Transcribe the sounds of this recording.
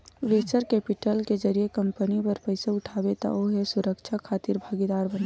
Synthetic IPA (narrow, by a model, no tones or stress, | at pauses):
ʋeːt͡ʃəɾkɛːpɪʈəlked͡ʒɐɾiekɐ̃mpənipɐɾpəɪseʊʈʰaːbet̪a̰oɦɛsʊɾəkʃʰakʰaːt̪ɪɾbʱaːɡid̪aːɾbən